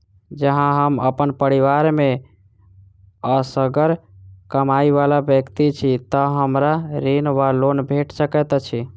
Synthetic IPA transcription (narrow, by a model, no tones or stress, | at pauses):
d͡ʒəɦãɦəmə̰pənpəɾiʋaɾme | əsəɡəɾkəmaiβalabjəkt̪it͡ʃʰit̪əɦəmɾaɾinʋalonbʱeʈsəkɛt̪t͡ʃʰi